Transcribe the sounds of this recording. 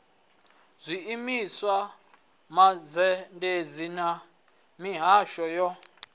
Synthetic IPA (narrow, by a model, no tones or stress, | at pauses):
zʷiːmiswa | mad͡zɛnded͡zina | miɦaʃɔjɔ